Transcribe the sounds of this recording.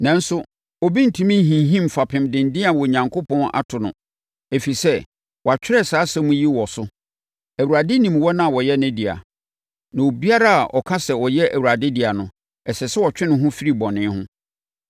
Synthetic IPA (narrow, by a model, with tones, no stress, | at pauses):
nã˨n̩˦sʊ˦ | ɔ˨bi˦n̩˨tʰĩ˦mĩ˦n˦ɦĩ˨˦ɦĩ˦mfa˨pʰɪ̃˨mdɪ̃˨n̩˨dɪ̃˦a˨wɔ˨ɲã˨ŋkʰo˦pɔ̃˦nʔa̰˦tʰʊ˨nʊ̃˨ | e˨fi˨sɛ˦ | wʔɔ˨a˨t͡ɕᶣɪ˦ɾɛ˦˨saː˨˦sɛ˦mũ˦ji˦wɔ˨sʊ˦ | æ˨wu˨ɾa˨dɪ˦nĩ˨m˦wɔ˦nã˦a˨wɔ˨jɛ˦næ̃˦di˨a̰˨ | nã˨o˨bi˦a˦ɾa˦a˨ʔɔ̰˨kʰa˦sɛ˨wɔ˨jɛ˦ʔæ˨wu˨ɾa˨dɪ˦di˨a˨nʊ̃˨ | ɛ˨sɛ˨sɛ˦wɔ˨t͡ɕᶣɪ˦nɪ̃˨ɦʊ̃˦fi˦ɾi˨bɔ̃˨nɪ̃˦hʊ̃˦